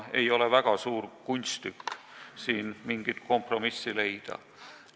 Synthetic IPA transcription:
e̞jo̞levæɡ̥ɑsuːrkunʲst̪ykːsiːnmiŋɡ̥it̪̚ko̞mpro̞misːile̞jd̪̥ɑ̰

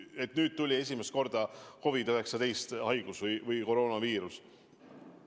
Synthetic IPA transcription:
e̞t̪nyːd̪̚t̪ːulʲie̞s̬ʲimest̪ko̞rd̪̥ɑko̞vid̪øɦe̞ksɑt̪e̞jst̪hɑjɡ̥usvɯjvɯjko̞ɾo̞ːnɑviːɾus

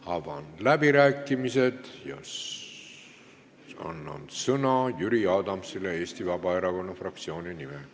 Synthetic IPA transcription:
ɑvɑ̰nd̪̥læbiɾæːkːˑimise̞d̪̥jɑ̰ | ɑ̰nːɑ̰n̥sɤnɑjyɾiɑd̪ɑmsilee̞ːst̪ivɑbɑeɾɑko̞nːɑfrɑk̚t̪sio̞ːnʲinime

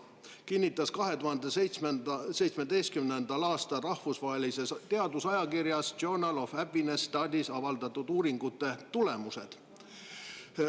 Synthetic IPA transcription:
kinʲːit̪ːˑɑskɑɦe̞t̪uɦɑnd̪esejt̪smese̞jt̪smed̪ejst̪̚kymnend̪̥ɑlɑːst̪ɑrɑhfusvɑɦelise̞st̪e̞ɑd̪usɑjɑkirjɑsd͡ʒornɑlofæpːinest̪ɑːd̪isɑvɑld̪ɑt̪ːˑud̪uːɾiŋɡ̥ut̪ːe̞t̪ule̞muse̞d̪̥

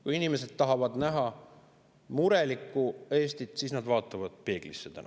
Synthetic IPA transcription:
kujinime̞se̞d̪̥t̪ɑɦɑvɑd̪næɦɑ | muɾe̞likːˑue̞ːst̪it̪ˑsiːsnɑd̪vɑːt̪ːˑɑvɑd̪̥̚pe̞ːɡ̥lisːet̪æ̰nɑ̰

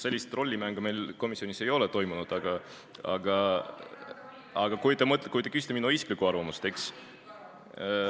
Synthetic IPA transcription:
se̞lʲːist̪ro̞lʲːimæŋɡ̥ɑme̞jlko̞misio̞nise̞jo̞let̪o̞jmunud̪̥ɑɡ̥ɑ | ɑ̰ɡ̥ɑ | ɑɡ̥ɑkujt̪emɤt̪ˑlekujt̪ekysi̥t̪eminːuisklikuɑrvɑmust̪e̞ks

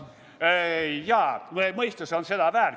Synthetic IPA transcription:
ejɑːmemɤist̪ɑseonsed̪̥ɑvæːr

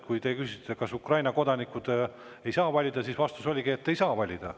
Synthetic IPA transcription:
kujt̪e̞kysit̪ːˑekɑsukrɑjnɑko̞d̪̥ɑnikˑud̪̥ | e̞jsɑːvɑlʲid̪̥ɑsisvɑst̪uso̞lʲiɡ̥iet̪ːe̞jsɑːvɑlʲid̪̥ɑ̰

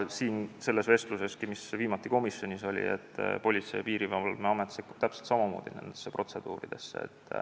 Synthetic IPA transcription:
siːnse̞lːe̞sve̞st̪luse̞skimisviːmɑt̪ˑːiko̞misjo̞nʲiso̞lʲḭet̪ːpo̞lʲit̪sejɑpiːɾivɑlmeɑmet̪sekːup̚t̪æpselt̪sɑmɑmo̞ːd̪̥ine̞̰nd̪̥esːepro̞t̪se̞d̪̥ṵːɾid̪̥e̞̰sːeḛt̪ːˑ

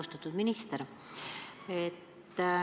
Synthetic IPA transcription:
st̪ɑt̪ːud̪minist̪eɾ | et̪ː

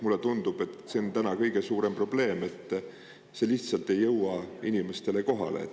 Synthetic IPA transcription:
mulːe̞t̪und̪ub̥e̞t̪se̞ont̪ænɑkɤjɡ̥e̞suːɾe̞mpro̞ble̞ːme̞t̪ˑː | se̞liht̪sɑlt̪e̞jːɤwɑinime̞st̪e̞le̞ko̞ɦɑ̰lḛ

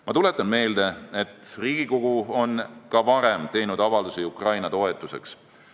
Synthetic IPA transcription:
mɑt̪ule̞t̪ːˑɑnme̞ːld̪e̞et̪ːˑriːɡ̥iko̞ɡ̥uo̞nkɑvɑɾemt̪e̞jnud̪ɑvɑld̪usiukrɑjnɑt̪o̞e̞t̪ːˑuse̞̰ks

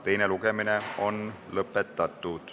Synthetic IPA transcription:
t̪ejnelukemineo̞n | lɤpːˑet̪ːɑt̪ːˑud̪̥

